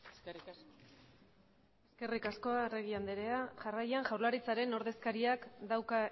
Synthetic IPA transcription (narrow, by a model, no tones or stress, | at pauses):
s | eske̞rikasko̞are̞ɣ̞iand̪eɾe̞aʝarajaŋʝawɾlaɾit͡saɾe̞no̞ɾðe̞skaɾiakd̪awka